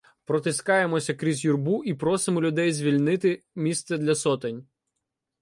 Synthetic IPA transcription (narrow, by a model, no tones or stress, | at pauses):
pɾɔt̪ɪskɑjemɔsʲɐkɾʲizʲjurbuʔipɾɔsɪmɔlʲʊd̪ɛjzʲʋʲilʲnɪt̪ɪmʲist̪sɛd̪lʲɐsɔt̪enʲ